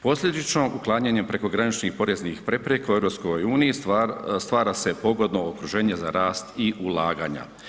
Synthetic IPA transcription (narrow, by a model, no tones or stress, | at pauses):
po̞slʲʎʲe̞d̪it͡ʃno̞ʔuklˠaːɲaɲe̞mpɾe̞ko̞ɡɾanit͡ʃnixpo̞ɾe̞znixpɾe̞pɾekaue̞vɾo̞psko̞juːnijist̪ʋaːɾase̞po̞ɡo̞d̪no̞okɾuʒe̞ːɲe̞za̰ɾaːst̪iʔulˠaːɡa̰ɲa̰